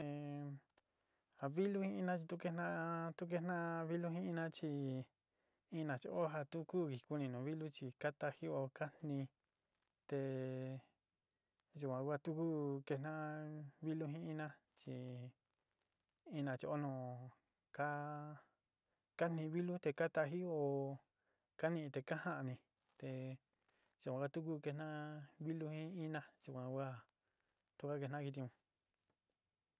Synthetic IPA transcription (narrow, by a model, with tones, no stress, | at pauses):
e˧ | a˧βi˦lu˦hĩ˦ĩ˧nã˦t͡ʃi˧t̪u˦˧ke˦nã˦t̪u˦k̬e˧˦nã˦βi˦lu˦ɦĩ˦ĩ˧nã˦t͡ʃi˧ | ĩ˦nã˨t͡ʃo˧ʔo˦ɦa˧t̪u˦ku˦˨ki˨˧ku˧nĩ˧nũ˨βi˦lu˦t͡ʃi˧ka˦t̪a˧hi˦o˧ka˦n̥nĩ˧ | t̪e˧ | ʒu˧kʷã˧kʷa˦˧t̪u˦ku˦ke˧nã˦˧βi˦lu˦ɦĩ˦ĩ˦nã˦ | t͡ʃi˧ | i˦nã˧t͡ʃi˧ʔo˦nõː˧˨˧ | ka˦ | ka˦n̥ĩ˧βi˦lu˦t̪e˧ka˦t̪a˧ɦi˦o˧˨ | ka˦nĩ˧t̪e˧ka˦hã˦ʔa˧nĩ˧ | t̪e˨ | ʒ̥u˨kʷã˧ka˦˧t̪u˦k̬u˦ke˧nã˦βi˦lu˦hĩ˦i˦nã˦ʒ̥u˧kʷã˧kʷa˦ | t̪u˦kʷa˦ke˧nã˦ki˧t̪i˧ũ˧